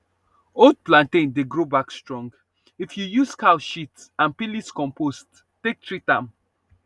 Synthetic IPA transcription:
od̚plãntẽndeɡɹobakstɹɔ̃ŋɡ | ifjujuskʰaʊʃitsãnpiliskɔ̃mpost | tːek̚tɹitãm

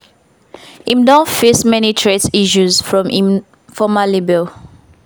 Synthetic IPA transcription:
ĩmdɔ̃nfesmɛnitʰɹetiʃuzfɹɔ̃mʔĩm | fɔmalibɛl

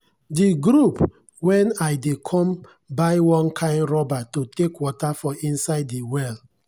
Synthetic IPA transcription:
diɡɾup | wɛ̃naɪdekʰɔ̃m | baɪwɔ̃nkʰãɪ̃ndɹɔbatotekwɔtafɔʔĩnsaɪdːiwɛl

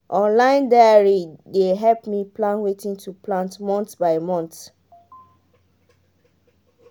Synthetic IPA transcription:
ʔɔ̃nlãɪ̃ndajaɹideɦɛlpmiplãnwetĩŋtuplãntmɔ̃ntbaɪmɔ̃nt

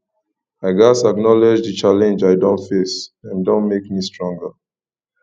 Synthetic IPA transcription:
aɪɡasaknɔlɪd͡ʒðət͡ʃalɛ̃nd͡ʒaɪdõntfesãndõnmekmistɹɔ̃ŋɡə

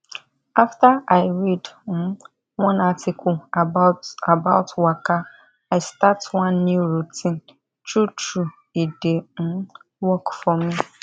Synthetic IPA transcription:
aftaaɪɹidn̩ | wɔ̃natʰɪkʰʊaaabaʊtʰwaka | aɪstatwãnːjuɹutʰĩn | tɹutu | iden̩ | wɔkfɔmi

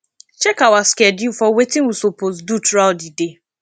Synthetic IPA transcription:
t͡ʃɛkawaskɛdjufɔwetɪ̃ŋwusopozdutɾaldide

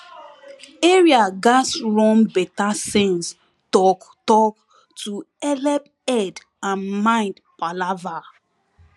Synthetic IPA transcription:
eɹiaɡasɹɔ̃mbɛtasɛ̃ns | tɔktɔk | tu | ɛlɛp | ɛd | ãnmãɪ̃ndpalava

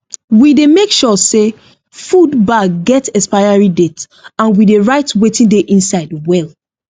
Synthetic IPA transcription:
widemekʃɔse | fudbaɡɛtɛspaɪaɹidet | ãnwideɹaɪtwetĩndeʔĩnsaɪdwɛl

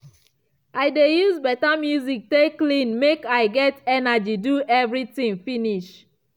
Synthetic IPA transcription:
aɪdejuzbɛtamjuzik̚teklĩnmekaɪɡɛtɛnad͡ʒiduʔɛvɹitĩŋfiniʃ

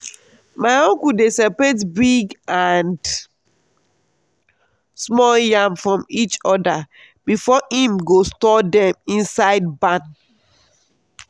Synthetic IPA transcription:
maɪɔ̃ŋkudesɛpetbiɡãnd | smɔljãmfɹɔ̃mit͡ʃɔda | b̥ifɔhĩmɡostɔdɛ̃mĩnsaɪd̚bãn

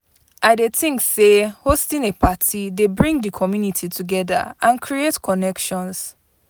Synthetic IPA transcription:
ʔaɪdetĩŋksehostĩnepʰatʰidebɹĩŋdəkʰɔmjunitʰitʰuɡɛða̰ãnkʰɹietkʰɔnɛkʃɔ̃ns

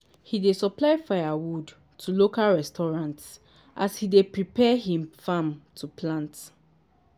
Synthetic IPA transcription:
hidesɔplaɪfajawud | tʰulokalɹɛstɔɹãnts | ʔashidepɹipɛhĩmfamtʰupʰlãnt

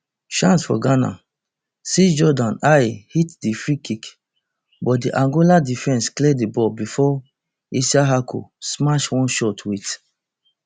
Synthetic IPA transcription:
ʃãnsfɔ̰ɡana̰ | sid͡ʒɔdãnajhitdifɹikik | bɔt̚diʔãŋɡoladifɛ̃nsklɛdibɔbifɔ | isaɦakʰo̰smaʃwɔ̃nʃɔtwit

